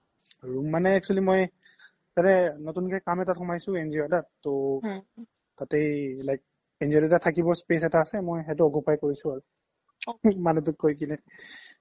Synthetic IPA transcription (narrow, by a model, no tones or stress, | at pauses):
ɹumːanɛɛk̚t͡ʃualimoj | tatɛnɔtunkɛkamɛtatxɔmajsʊ̃enziɔdatto | tatejlajk̚ | enziɔdɛtatʰakibɔɹspesɛtaːsɛmojɦɛt̬ʊɔkupʰajkoɹisʊ̃aɹu | manɛt̬ʊkojk̬inɛ